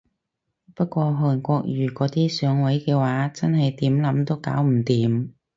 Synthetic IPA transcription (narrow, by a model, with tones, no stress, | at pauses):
pɐ˥t̚kʷɔː˧ɦɔː˨˩nkʷɔː˧k̚jyː˨˩kɔː˨˥t̪iː˥sœː˨˥ŋwɐ˨˥jkɛː˧waː˨˥t͡sɐ˥nɦɐ˨jt̪iː˨˥mlɐ˨˥mt̪o˥wka̰ː˨˥wm̩˨˩t̪iː˨˥m